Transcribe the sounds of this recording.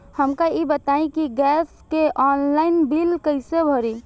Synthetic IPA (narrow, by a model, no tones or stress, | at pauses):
həmkaibət̪aĩkiɡɛskeʔɔnlaɪnbilkəɪsebʱəɾi